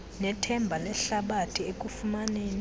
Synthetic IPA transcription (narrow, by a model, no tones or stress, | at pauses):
nɛtʰɛmbʱalɛɬaɓatʰiek̬ʼufumaneːni